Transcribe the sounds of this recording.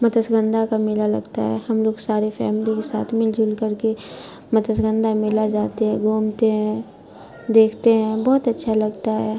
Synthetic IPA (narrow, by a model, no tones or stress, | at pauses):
mɐt̪əsɡə̃nd̪ʱakamɪlalɐ̰ɡt̪a̰ɦɛ̰ːhɐmloːɡsaːɾefɛ̰ːmɪlikesa̰ːt̪ʰmɪld͡ʒʱuːlkəɾkemɐt̪əsɡə̃nd̪ʱamɪlad͡ʒaːt̪eɦɛ̃ɡʱuːmt̪eɦɛ̃ | d̪eːkʰt̪eɦɛ̃bɔːt̪ɐtːʃʰalɐɡt̪aɦɛː